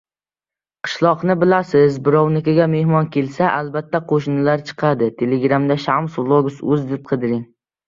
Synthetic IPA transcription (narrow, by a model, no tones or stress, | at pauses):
qʰɨ̥ʃlˠɒqnɪbɪlasɪzbɪɾɒwnɪkʲaɡʲame̞hmɒnkʲʰe̞lsaʔalbat̪ːaqʰoʃnɪlaɾt͡ʃʰɨ̥qʰɑd̪ɪt̪ʰe̞leɡɾamd̪aʃamsvlˠoɡʊsɵzd̪ɪp̚qʰɨd̪ɪɾɪŋ